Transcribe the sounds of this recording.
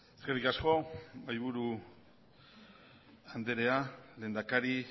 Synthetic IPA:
esɡerikasko̞majβuɾu | and̪eɾe̞aleːnd̪akaɾi

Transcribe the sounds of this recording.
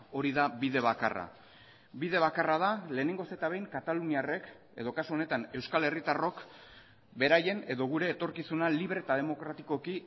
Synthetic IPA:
o̞ɾiðaβiðe̞β̞aka̰ra̰ | biðe̞β̞akarað̞ale̞ːne̞ŋɡo̞se̞t̪aβe̞jŋkat̪aluniare̞k | e̞ð̞o̞kasuo̞ne̞t̪ane̞wskale̞rit̪aro̞k | be̞ɾaje̞ne̞ðo̞ɣ̞uɾe̞ːt̪o̞ɾkisunaliβɾet̪aðe̞mo̞kɾat̪iko̞ki

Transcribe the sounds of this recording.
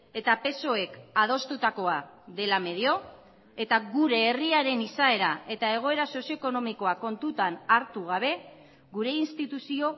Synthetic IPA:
e̞t̪ape̞so̞e̞kað̞o̞st̪ut̪ako̞aðe̞lame̞ð̞io̞ | e̞t̪aɣuɾe̞ːriaɾe̞nisae̞ɾae̞t̪ae̞ɣ̞o̞e̞ɾaso̞sio̞eko̞no̞miko̞ako̞nt̪ut̪anaɾt̪uɣ̞aβ̞e̞ | ɣuɾe̞inst̪it̪usio̞

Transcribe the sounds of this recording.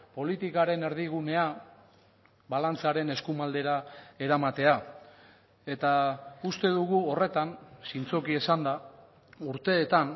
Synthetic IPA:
po̞lit̪ikaɾe̞ne̞ɾðiɣ̞une̞a | βalant͡saɾe̞ne̞skumald̪e̞ɾae̞ɾamat̪e̞a | e̞t̪aust̪e̞ðuɣuo̞re̞t̪ansint͡so̞kie̞sand̪a | uɾt̪e̞ːt̪an

